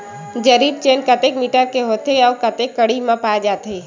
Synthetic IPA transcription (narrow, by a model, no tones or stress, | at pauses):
d͡ʒəɾiːɾt͡ʃeːnkət̪ekmiːʈəɾkeɦot̪eaukət̪ekːəɽimãpaːd͡ʒaːt̪e